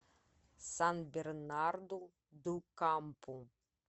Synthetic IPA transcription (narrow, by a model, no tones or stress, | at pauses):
sanbʲernard̪u | d̪ukampu